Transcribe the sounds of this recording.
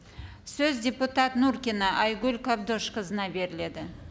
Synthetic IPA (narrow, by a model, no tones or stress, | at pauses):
sɵzdʲe̞put̪ɑt̪nuɾkʲenəʔɑjɡʲʉlkʰabd̪oʃqəzənɑbe̞ɾɪle̞d̪ɪ